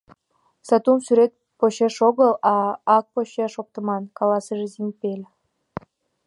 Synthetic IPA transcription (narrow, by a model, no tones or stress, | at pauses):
sɑt̪umsyɾet̪̚ | poɕeʃoɣəlɑɑk̚poɕeʃok̚t̪ə̆mɑnkɑlɑsəʒezempelʲ